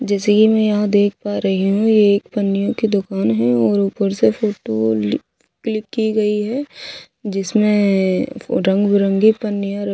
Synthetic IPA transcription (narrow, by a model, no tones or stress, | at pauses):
d͡ʒɛːsekimɛ̃jɐɦãd̪eːk̚ʰpaɾɐɦiɦũjeːkpɐnːɪjõkid̪ʊkaːnɦɛɔːɾuːpəɾsefoːʈo | klɪkːiɡɐiɦɛ | d͡ʒɪsmẽ | ɾɐ̃ŋɡbʊɾə̃ŋɡipɐnːɪjãɾɐ